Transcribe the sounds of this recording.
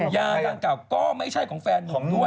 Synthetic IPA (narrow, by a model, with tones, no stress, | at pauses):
jaː˧da˧ŋkaː˨˩wkɔː˥˩ma˥˩jt͡ɕʰa˥˩jkʰɔː˩˦ŋfɛː˧nːʰɔː˨˩˦ŋnu˥˩